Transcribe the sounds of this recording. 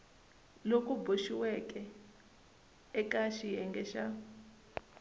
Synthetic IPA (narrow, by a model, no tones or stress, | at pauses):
lokʼuboʃiwɛkʼɛ | ɛkaʃijɛŋɡɛʃa